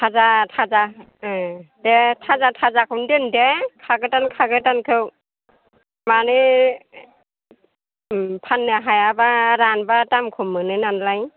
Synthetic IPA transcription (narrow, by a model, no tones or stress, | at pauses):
tʰazatʰaza | detʰazatʰazakʰɯndɯndekʰaɡɯtankʰaɡɯtankʰɯw | manɯ | pʰanːɯɦajabaɾanbatamkʰumːɯnɯnanlaj